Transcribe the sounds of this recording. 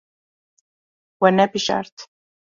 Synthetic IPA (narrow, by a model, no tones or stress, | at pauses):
wɛnɛpiʃa̰ɾt̪ʰ